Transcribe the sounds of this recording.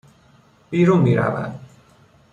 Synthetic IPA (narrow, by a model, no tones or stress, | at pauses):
b̥iːɾunmiɾa̰va̰d̪